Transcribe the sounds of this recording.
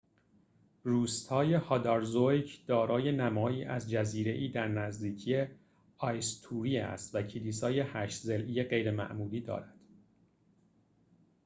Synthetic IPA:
ruːst̪hɒːje̞hɒd̪ɒɾzojcʰd̪̥ɒːɾɒːje̞næmɒːjiːʔæzd͡ʒæziːɾe̞ʔiːd̪æɾnæzd̪iːcʰije̞ | ɒjst̪ʰuːɾiːæ̰st̪væcʰiliːsɒːje̞hæʃzelʔijeɢe̞jɾe̞mæ̰ʔmuːliːd̪ɒ̰ːɾæd̪̥

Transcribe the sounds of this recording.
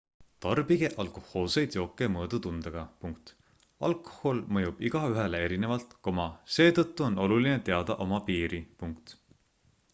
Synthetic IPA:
t̪ɑrbiɡ̥e̞ʔɑlkoho̞ːsejd̪̥jo̞ːkːˑe̞mɤːd̪̥ut̪und̪̥ɑɡ̥ɑpuŋkt̪ | ɑ̰lkˑo̥holmɤjub̥iɡ̥ɑyɦelee̞ɾine̞vɑlt̪ko̞mɑse̞ːt̪ɤt̪ːuo̞no̞luline̞t̪e̞ɑd̪̥ɑʔo̞mɑpiːɾipuŋkt̪

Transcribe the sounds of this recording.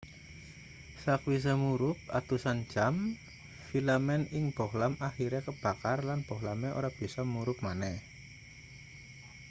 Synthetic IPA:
sakwis̬amuɾʊp̚a̰t̪usan̥d͡ʒ̥am | filamɛnɪŋb̥ɔ̤hlamaxiɾɛkəb̥a̤karlanb̥ɔ̤hlameʔo̰ɾab̥i̤sɔmuɾʊp̚manɛh

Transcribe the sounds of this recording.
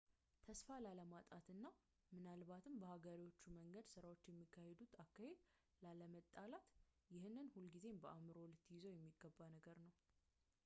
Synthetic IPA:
t̪ʰəsfalaləmat̪ʼat̪ɨnːa | mɨnalbat̪ʰɨmbəhaɡəɾiwo̞t͡ʃːuməŋɡəd̪sɨɾawo̞t͡ʃːjɛmːikʰːahe̞d̪ut̪akːahe̞d̪ | laləmət̪ʼːalat̪ | jɪhɨnːɨnhulɡize̞mbəamɨɾowlət̪ːjɪzo̞jɛmːiɡːəbːanəɡəɾnəw

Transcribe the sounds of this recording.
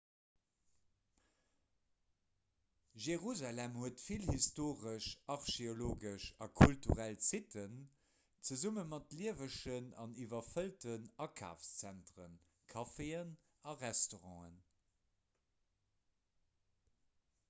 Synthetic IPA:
ʒeʁuzalæmhuətfilhistoːʁəʃɑʁʃeoloːɡəʃɑkʰultṵʁælt͡sitʰən | t͡səzumənmɑtliəvəʃənɑnivɐfəltənɑkʰa̰ːfst͡sæntʁən | kʰɑfeən | ɑʁɛstoʁɑ̃ːən

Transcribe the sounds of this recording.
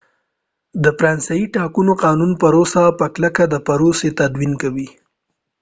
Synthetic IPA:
d̪əfɾɑnsaiʈɑkunoqɑnunpaɾosapəklakad̪əpaɾoset̪ad̪winkawi

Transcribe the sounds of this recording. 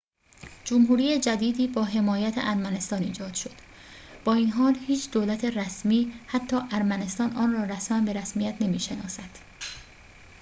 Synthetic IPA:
d͡ʒomɦuːɾiːjed͡ʒæd̪iːd̪iːbɒːɦe̞mɒːjæt̪ʰḛʔæɾmæne̞st̪ɒːnḭːd͡ʒɒːd̪̥ʃo̞d̪̥ | b̥ɒːiːnɦɒːlhiːt͡ʃʰd̪olæt̪ʰeræsmiːhæt̪ʰːɒːʔæɾmæne̞st̪ɒːnʔɒːnrɒːɾæsmæmbe̞ɾæsmijæt̪ʰne̞miːʃe̞nɒ̰ːsæd̪̥

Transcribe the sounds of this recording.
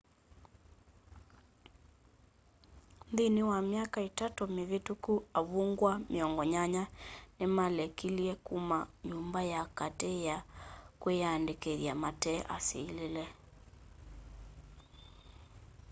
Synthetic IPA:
nðiniwamjakaitatumeβitukuaβuŋɡwameɔŋɡɔɲaɲanemalɛkiliɛkumaɲumbajakatɛjakwejandekeðjamatɛːʔa̰sililɛ

